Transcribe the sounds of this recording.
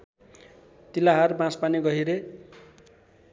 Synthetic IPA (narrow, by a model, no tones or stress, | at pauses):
t̪ilaɦarbãspaniɡʌɦiɾe